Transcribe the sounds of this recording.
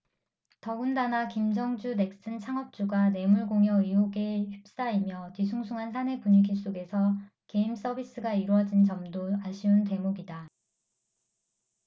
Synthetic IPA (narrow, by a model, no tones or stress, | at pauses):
tʌundanakimd͡ʑʌŋd͡ʑune̞k̚s͈ɯnt͡ɕʰaŋʌp̚t͡ɕ͈uɡane̞muɭɡoŋjʌioɡe̞çip̚s͈aimjʌtisʰuŋsʰuŋɦansʰane̞puɲikʰiɭs͈oɡe̞sʰʌ | ke̞ims͈ʌbis͈ɯɡaiɾwʌd͡ʑint͡ɕʌmdoaɕʰiunte̞moɡida